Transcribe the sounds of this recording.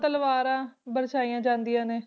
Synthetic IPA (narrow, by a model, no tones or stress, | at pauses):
t̪əlʋaːɾãːbəɾʃaːijãːd͡ʒãːnd̪ijãːneː